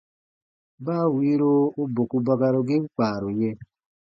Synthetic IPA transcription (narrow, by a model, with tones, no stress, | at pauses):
baː˦˨wi˨˦ɾo˦o˦bo˨ku˧ba˧ɡa˧ɾo˧ɡe˦ŋ͡m̩˦k͡paː˨ɾo˨je˧˦